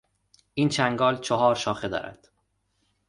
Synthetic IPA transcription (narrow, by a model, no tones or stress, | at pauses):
ʔiːnt͡ʃʰæŋɡɒːlt͡ʃʰoɦɒːɾʃɒːxed̪ɒ̰ːɾæ̰d̪̥